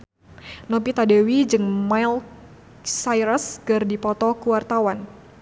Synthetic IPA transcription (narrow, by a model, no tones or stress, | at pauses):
nɔpit̪adewid͡ʒɨŋmajl | sajɾəskərdipɔt̪ɔkuwart̪awan